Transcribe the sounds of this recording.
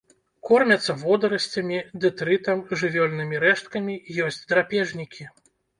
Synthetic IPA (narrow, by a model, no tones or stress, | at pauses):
kɔrmʲɐt̪sːɐvɔd̪ɐɾɐsʲt͡sʲɐmʲid̪ɨt̪ɾɨt̪ɐmʐɨvʲɔlʲnɨmʲiɾɛʂt̪̚kɐmʲijɔsʲt͡sʲd̪ɾapʲɛʐnʲikʲʰi